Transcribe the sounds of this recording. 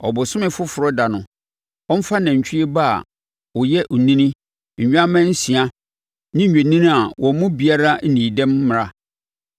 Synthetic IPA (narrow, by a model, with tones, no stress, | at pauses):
ɔ˨bʊ˨sʊ̃˦mɪ̃˦fʊ˦fʊ˨ɾɔ˦da˨nʊ̃˨ | ɔ˦m̩˦fa˦nɛ̃˨ɲ̩˨t͡ɕᶣʰi˦e˦ba̰˦˨ | ɔ˨jɛ˦ʔʊ˨nĩ˦nĩ˦ | ɲ̩˨ɲᶣ˦a˦mɛ̃˦n̩˦sĩ˨a˦ | nɪ̃˦ɲ̩ᶣ˨e˨nĩ˦nĩ˦a˨wɔ̃˨m˦mʊ̃˦bi˨a˦ɾa˦n̩˦nĩː˨dɛ̃˦mː˦ɪ̃˨a˦